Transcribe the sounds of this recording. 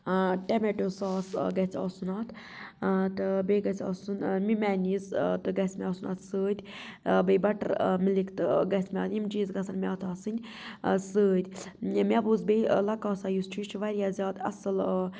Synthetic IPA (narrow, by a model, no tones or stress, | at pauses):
ʈemeʈoːsaːsɡɐt͡sʰʲɔ̰sunaːt̪ʰ | t̪ɨbeɡɐt͡sʰʲɔ̰ːsunmimʲæːnizt̪ɨɡɐsʲmʲɐːsuna̰ːt̪səːd̪ʲbebɐʈɐɾmilikt̪ɨɡɐsʲmʲaːt̪imd͡ʒiːzɡɐsanmʲaːt̪ʰaːsɨnʲ | səːd̪ʲmʲabuzbejlɐkaːsaːjust͡ʃʰit͡ʃʰʋɐɾʲjaːzʲjaːd̪ɐ̰sɨl